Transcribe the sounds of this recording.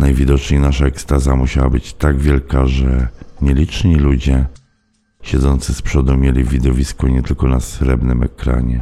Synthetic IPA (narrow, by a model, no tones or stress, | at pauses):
najvʲid̪ɔt͡ʂɲejnaʂaɛkst̪azamuɕawabɘt͡ɕt̪aɡvʲjɛlkaʐɛɲɛlʲit͡ʂɲilud͡ʑɛ | ɕɛd̪zɔnt̪sɘspʂɔd̪umʲjelʲivʲid̪ɔvʲiskɔɲɛt̪ɘlkɔnasɾɛbnɘmɛkɾa̰ɲɛ